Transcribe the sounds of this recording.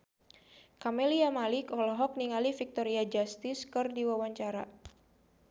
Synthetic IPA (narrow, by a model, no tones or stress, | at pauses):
kameliamalikɔlɔɦɔk̚niŋalifik̚t̪ɔɾiad͡ʒast̪ɪskɨrdiwawaɲt͡ʃaɾa